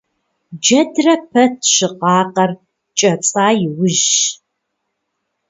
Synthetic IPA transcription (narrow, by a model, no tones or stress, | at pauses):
d͡ʒɐdrɐpʰɐtʰɕɨqɑːqɐr | t͡ʃʼɐt͡sʼaːjɪwʊʒ